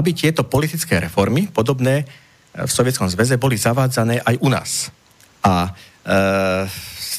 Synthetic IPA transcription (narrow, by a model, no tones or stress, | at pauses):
abit̪ɪɛt̪ɔpɔlit̪it͡skɛːɾɛfɔɾmipɔd̪ɔbnɛː | fsɔʋɪɛt̪t͡skɔmzʋɛzɛbɔlizaʋaːd͡zanɛːʔajʔuna̰ːs | ʔa